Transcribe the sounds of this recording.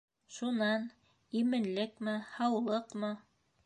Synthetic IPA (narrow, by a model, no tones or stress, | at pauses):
ʃunɑn | imɘ̆nlɘkmɘhɑwlˠɤqmɤ